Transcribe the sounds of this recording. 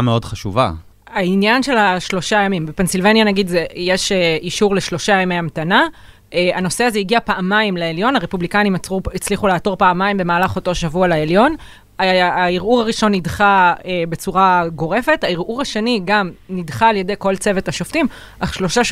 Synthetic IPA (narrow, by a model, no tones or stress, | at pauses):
meo̞dχaʃṵva̰ | ainjanʃe̞laʃlo̞ʃajamimbepe̞nsilvanjanaɡid̪zejeʃeiʃuʁle̞ʃlo̞ʃajamejamt̪ana | ʔeanoseazeiɡiapaːmajimleeljo̞naʁe̞publikajnimuit͡sliχuleaːto̞ʁpaːmaimbe̞maːlaχo̞to̞ʃavualaeljo̞n | aːiʁuʁaʁiʃo̞nːidχaebe̞t͡suʁaɡo̞ʁe̞fe̞taiʁʔuʁaʃe̞niɡamnidχaːlje̞dejkolt͡se̞ve̞thaʃoftim | ʔaχʃlo̞ʃa